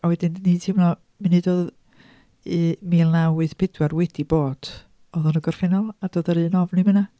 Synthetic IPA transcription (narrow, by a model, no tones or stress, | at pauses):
awɛdɪndniːdʰɪmnɔ | mɨnɨdoːð | imiːlˠnawɨɨðpʰɪdwarwɛd̥iboːd̥ | ɔðɔnəɡɔr̥fɛnɔlˠadoːdəɾɨːnɔvnɨməna